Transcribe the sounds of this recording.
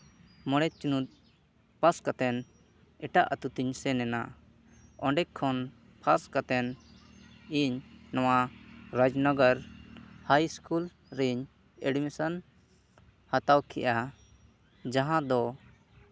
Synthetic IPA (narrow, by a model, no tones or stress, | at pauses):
mɔɽ̃ɛt͡ʃunut̪̚ | paskat̪ɛn | ɛʈaʔət̪ut̪iɲsɛnɛna̰ | ɔɳɖɛkkʰːɔn | pʰaskat̪ɛn | iɲːɔwaɾad͡ʒnɔɡəɾhajskul | ɾiɲ | ɛɖmisan | hat̪awkʰɛ̰ʔa | d͡ʒaɦãd̪ɔ